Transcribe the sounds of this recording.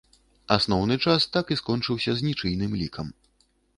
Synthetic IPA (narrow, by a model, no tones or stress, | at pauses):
asnɔwn̪ɨt͡ʂast̪akiskɔnt͡ʂɨwsʲɐzʲnʲit͡ʂɨjnɨmlʲikʰɐm